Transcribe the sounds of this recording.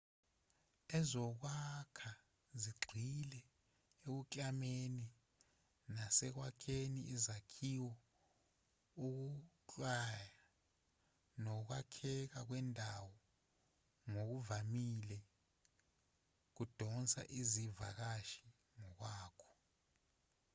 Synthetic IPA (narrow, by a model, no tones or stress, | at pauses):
ɛzɔk̬wakʰa | ziɡ͡ǀʱilɛ | ek̬ut͡ɬʼameni | nasɛk̬wakʰeniːzakʰiwɔ | uk̬ut͡ɬʼwaja | nɔk̬wakʰɛk̬ak̬wɛndʱawɔ | ŋok̬uvamilɛ | k̬ud̥ʱɔnt͡sʼa̰ʔiziva̰k̬aʃi̥ | ŋɔk̬waːkʰɔ̥